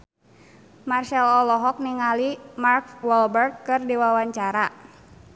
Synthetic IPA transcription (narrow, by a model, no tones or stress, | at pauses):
marʃɛlɔlɔɦɔk̚niŋalimarkwɔlbɛrt̪̚kɨrdiwawaɲt͡ʃaɾa